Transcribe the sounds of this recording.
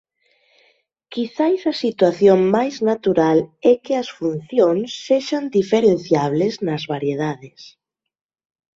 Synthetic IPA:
kiθajsɐsit̪waθjoŋmajznat̪uɾalɛkɪɐsfunθjoŋsːeʃand̪ifeɾenθjaβ̞leznɐzβaɾjeð̞aðɪs

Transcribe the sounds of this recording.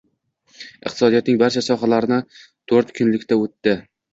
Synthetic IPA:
ɨ̰qt̪ʰɪsɒd̪ijɒt̪̚nɪŋbaɾt͡ʃʰasɒɦalaɾɪnɪ | t̪ʰoɾt̪kʰʊnlɪkʲt̪ʰaot̪ːɪ

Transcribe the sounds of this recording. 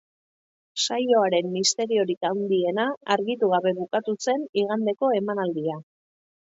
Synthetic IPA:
sajo̞aɾe̞mːist̪e̞ɾio̞ɾikawnd̪ie̞naːɾɣit̪uɣaβe̞βukat̪use̞niɣ̞and̪e̞ko̞e̞manald̪ia

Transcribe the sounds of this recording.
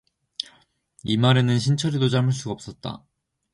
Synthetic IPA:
imaɾe̞nɯnɕʰint͡ɕʰʌɾidot͡ɕamɯɭs͈uɡap̚s͈ʌt̚t͈a̰

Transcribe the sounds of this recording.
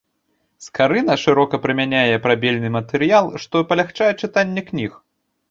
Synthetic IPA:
skaɾɨnɐʂɨɾɔkɐpɾɨmʲanʲajɛpɾabʲɛlʲnɨmɐt̪ɛɾɨjalˠʂt̪ɔpɐlʲaxt͡ʂajɛt͡ʂɨt̪anʲːɛknʲix

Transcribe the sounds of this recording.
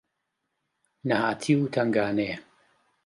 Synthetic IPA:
nɐhaːt̪ʰiwt̪ʰɐŋɡaːne

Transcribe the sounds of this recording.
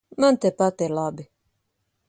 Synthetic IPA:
mənt̪epat̪elabi

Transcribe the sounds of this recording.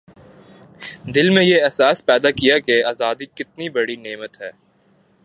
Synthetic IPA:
d̪ɪlmẽjeɛɦsaːspɛːd̪akijakeaːzaːd̪ikɪt̪nibɐɽineːmət̪ɦɛː

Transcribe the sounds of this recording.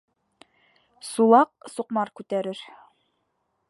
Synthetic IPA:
sulˠɑq̚suqmɑɾkʉt̪æɾɘɾ

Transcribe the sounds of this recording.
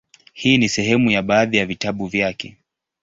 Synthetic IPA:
hiːnisɛhɛmujaɓaːðijavitaɓuvjakɛ̰

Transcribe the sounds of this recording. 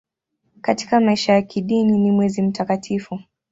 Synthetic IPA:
kati̥kamaiʃajakiɗininimwɛzim̩takatʰifu

